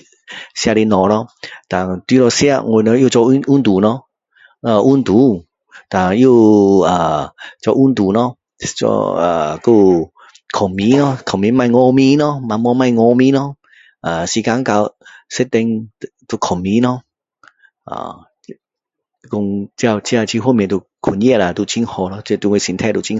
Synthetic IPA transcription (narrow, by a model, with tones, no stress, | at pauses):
sja˧˨le˧nɔ˨lɔ˧t̪a˨t̪i˧˦lɔ˧sja˧ŋwo˧˨nɔ˧˦jo˥˧˨t͡ʃɔ˧˦ʔu˦nt̪u˨˩˦nɔ˧ | a˧ʔu˦nt̪u˨˦ | t̪a˨˩jo˥˧aː˨˩t͡ɕɔ˧ʔu˦nt̪u˨˩˦nɔ˧˦ | t͡ɕɔ̰˧a̰˨˩ko˧ | kʰɔ˨˩ŋmi˨˧˦nɔ˦kʰɔ˨˩mi˨˧˦mã˧jŋɔ˧mĩ˧˦nɔ˧˦mã˨˧m˧ɔ˧˦mã˥˧jŋɔ˧mĩ˧˦nɔ˧˦ | ʔa˨˩si˧˩ka˧˦ŋka˧wse˦t̪ɛ˧ŋ˧ | t̪u˧˩kʰɔ˨˩ŋmĩ˧˦nɔ˧ | a̰˨˩˧ | kɔ˧ŋt͡ɕja˧t͡ɕi˧a˧t͡ɕʰi˧hmĩ˧˨t̪u˧˩ | kʰu˨˩njɛ˥˧la˨˩t̪u˧˩t͡ɕi˦ŋhɔ˧nɔ˧t͡ɕe˧˨t̪u˧ŋwsi˧nt̪ʰɛ˧˨t̪u˧˨t͡ɕi˧ŋ